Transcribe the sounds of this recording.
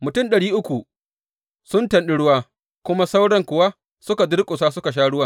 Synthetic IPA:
mʊ˨tʊ˦mɗɐ˨ɽiː˦ʔʊ˦kʷu˨ | sʊ˦ntɐ˨nɗɪ˦ɽʊ˦waː˦ | kʷʊ˦ma˦sa˦wɽɐ˦ŋkʷʊ˨waː˦ | sʊ˦ka˨dɪ˦ɽkʷʼʊ˨s̬aː˦sʊ˦ka˨ʃ̬aː˦ɽʊ˦waː˦

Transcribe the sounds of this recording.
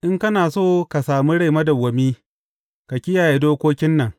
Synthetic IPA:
ʔɪ˦ŋkɐ˦naː˨soː˦ka˨saː˨mi˦ɽa˦˨jmɐ˦da˨wɐ˨miː˦ | ka˨kʲɪ˦jaː˨je˦doː˦kʷoː˦kʲɪ˦nːɐ˨ŋ

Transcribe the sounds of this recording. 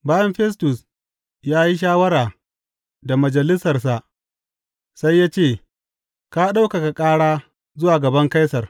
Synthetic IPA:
baː˦jɐ˦mɸɛ˦s̬tʊ˨s | jaː˦ji˦ʃ̬aː˦wɐ˦ɾaː˨ | da˨mɐ˨d͡ʒɐ˨lɪ˦sɐ˨rs̬a˨ʔ | sa˦jːaː˦t͡ʃeː˦˨ | ka˦ɗa˦wka˨ka˨kʼaː˦ɽaː˦ | zʊ˦waː˨ɡɐ˨bɐ˦ŋka˦jsɐ˨r

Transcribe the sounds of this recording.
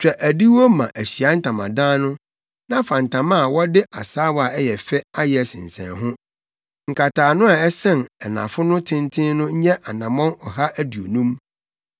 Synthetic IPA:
t͡ɕᶣɛ˨ʔæ˨di˦wo˦mã˨ʔæ˨ɕi˨a˨˦n̩˦tʰã˨mã̰˨dãː˦nʊ̃˦ | nã˦fã˨n˨tʰã˨mã˦a˨wɔ˦dɪ˦ʔa˨saː˦wa˨ɛ˦jɛ˨fɛ˦a˦jɛ˨sɪ̰̃˨n˨sɛ̰̃˨nɦʊ̃˦ | ŋ̩˨kʰa˨tʰaː˨nʊ̃˦a˨ɛ˦sɛ̃˦nɛ˨nã̰˨fʊ˦nʊ̃˦tʰɪ̃˦n˦tʰɪ̃˦nnʊ̃˦ɲ˦ɲɛ˦ʔa˨nã˨mɔ̃˦nɔ˨ɦa˦ʔæ˦du˨o˨nũ˦m

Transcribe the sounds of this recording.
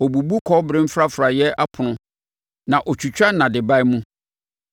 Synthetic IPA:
ɔ˨bu˨bu˦kʰɔ˦bɾɪ̃˦m̩˦fɾa˦fɾa˨jɛ˦ʔa˦pʰʊ˨nʊ̃˦ | nã˨ʔɔ˨t͡ɕʰᶣu˨t͡ɕᶣa˦nã˨dɪ˨ba˦ɪ˦mũ˦

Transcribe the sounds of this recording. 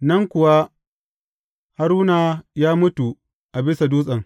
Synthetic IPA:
nɐ˦ŋkʷʊ˨wa˦ | ha˨ɾuː˦naː˨jaː˦mʊ˦tu˨ | ʔa˨bɪ˦sa˨duː˦sʼɐ˨ŋ

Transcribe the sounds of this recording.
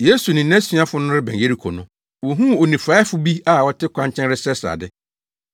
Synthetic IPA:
jeː˨˦su˨nɪ̃˨næ̃˦sɥa˦fʊ˦nʊ̃˦ɾɪ˦bɛ̃˨je˦ɾi˦kʰɔ˨nʊ̃˦ | wɔ˨ɦũ˦o˨nĩ˨fa˨˦ɪ˦fʊ˦bi˦a˦˨wɔ˦tʰɪ˦kʷʰã˦ɲt͡ɕʰɛ̃˦nɾɪ˦sɛ˦sa̰˨dɪ˦

